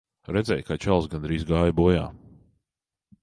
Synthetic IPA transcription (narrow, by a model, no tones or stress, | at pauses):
ɾɛd̪zʲɛjkat͡ʃalˠsɡand̪ɾiːzɡaːjbuɔja̰ː